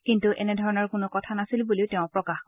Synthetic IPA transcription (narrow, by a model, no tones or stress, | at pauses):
kintuʔɛnɛdʱɔɹɔnɔɹkʊnʊkɔtʰanasilbuliʊtɛʊ̃pɹɔkax